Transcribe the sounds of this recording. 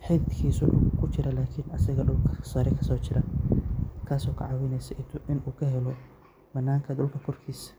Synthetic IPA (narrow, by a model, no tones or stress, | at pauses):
ħid̪kʰiːsʊ̰ʔʊ̰kʰʊt͡ʃɪɾɐlaːkʰɪnɐsɪɣɐɗʊkʰɐsɔːɾɛkʰɐ̥sɔːt͡ʃɪɾɐ | kʰaːsɔːkʰɐʕɑwɪnɛjsɐʔɪt̪ʰʊʔɪnʔuːkʰɐɦɛlɔ | bɐnːaːŋkʰɐd̪ʊlkʰɐkʰɔrkʰiːs